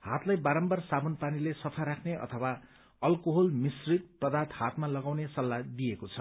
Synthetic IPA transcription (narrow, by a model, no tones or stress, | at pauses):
ha̰t̪lajbaɾʌmbʌrsabʌnpanilesʌpʰaɾakʰneʌ̰t̪ʰʌwa | ʌlkoɦolmisrit̪̚prʌd̪at̪hat̪malʌɡawnesʌlːad̪iekot͡sʰʌ